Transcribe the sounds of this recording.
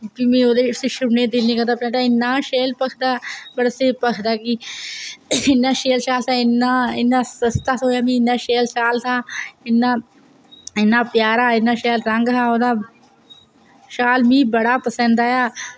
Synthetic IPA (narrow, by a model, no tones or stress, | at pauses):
biːmẽːoːd̪eːseʃʊnẽːd̪ɪlnĩːkəd̪aːpãːʈ̪aːɪnːaːʃeːlpəkʰd̪aːbəɽseːpəkʰd̪aːkiː | nːaːʃeːlʃaːlt̪aːɪnːaːɪnːãːsəst̪aːsoːjaːmĩːɪnːãːʃeːlʃaːlt̪aːɪnːãː | ɪnːaːpjaːɾaːɪnːaːʃeːlɾəŋɡɦaːoːd̪aː | ʃaːlmĩːbəɽaːpəsə̃nd̪aːjaː